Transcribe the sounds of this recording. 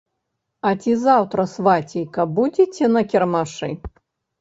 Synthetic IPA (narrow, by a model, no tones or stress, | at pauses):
ɐt͡sʲizawt̪ɾɐsvat͡sʲijkɐbud͡zʲit͡sʲɛnɐkʲɛrmaʂɨ